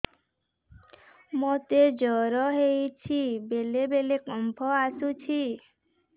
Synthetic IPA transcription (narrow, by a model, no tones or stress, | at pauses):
mot̪ed͡ʒɔɾɔɦejt͡ʃʰibelebelekɔmpʰɔasut͡ʃʰi